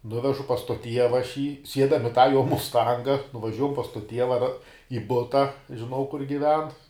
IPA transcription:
ˈnʊʋʲɛʒʊ pɐs toː ˈtʲiɛʋɐ ɐʃ jiː ˈsʲiɛdɐm ɪ tɑː joː mʊsˈtɐŋɡɐ nʊʋɐˈʒʲuɔjɛm pɐs toː ˈtʲiɛʋɐ rɐ ɪ ˈbʊtɐ ʒʲɪˈnɐʊ kʊr ɡʲɪˈʋʲɛn

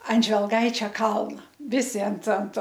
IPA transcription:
ɐn ʒʲʋʲɛlˠˈɡɐɪt͡ʃʲɛ ˈkɐlˠnɐ ˈʋʲɪsʲɪ ɐnt ɐnt

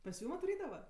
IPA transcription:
pɐs ˈjuːm ɐtʋɐˈrʲiːdɐʋɐ

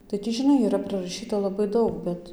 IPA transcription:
tɐɪ tʲiː ʒʲɪˈnɐɪ iːˈrɐ prɨrɐˈʃʲiːtɐ lˠɐˈbɐɪ ˈdɐʊk ˈbʲɛt

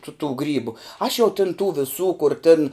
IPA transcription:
tʊ tuː ˈɡrʲiːbʊ ɐʃ jɛʊ tʲɪn tuː ʋʲɪˈsuː kʊr tʲɪn

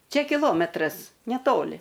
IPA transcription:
ˈt͡ʃʲɛ kʲɪˈlˠoːmʲɛtrɐs nʲɛˈtoːlʲɪ

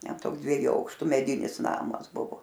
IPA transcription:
ˈtʲɛn ˈtoːks dʲʋʲiɛˈjuː ˈɐʊkʃtʊ mʲɛˈdʲɪnʲɪs ˈnɑːmɐs ˈbʊʋoː

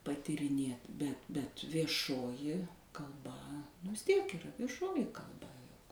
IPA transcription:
pɐtʲiːrʲɪˈnʲeːt bʲɛt bʲɛt ʋʲiɛˈʃoːjɪ kɐlˠˈbɐ nʊ ʋʲɪs ˈtʲiɛk iːˈrɐ ʋʲiɛˈʃoːjɪ kɐlˠˈbɐ jʊk

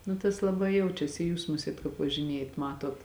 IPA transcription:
nʊ tɐs lˠɐˈbɐɪ ˈjɛʊt͡ʃʲɛsʲɪ ɪ ˈjuːs ˈmʊsʲiɛt kɑːp ʋɐʒʲɪˈnʲeːjɛt ˈmɑːtoːt

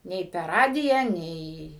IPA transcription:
ˈnʲɛɪ pʲɛr ˈrɑːdʲɪjæː ˈnʲɛɪ

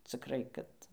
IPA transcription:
ˈt͡sʲɪkrɐɪ kɐt

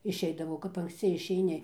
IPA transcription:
ɪʃʲˈɛɪdɐʋɐʊ kɐp ɐŋksʲˈt͡sʲɪ ɪʃʲɛɪˈnʲɪ

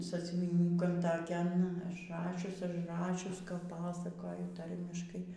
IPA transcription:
sɑːsʲʊʋʲiːˈnʲuːkɐn tɐˈkʲɛn ɐʒˈrɑːʃʲʊs ɐʒˈrɑːʃʲʊs kɐp ˈpɑːsɐkoːjʊ ˈtɐrʲmʲɪʃkɐɪ

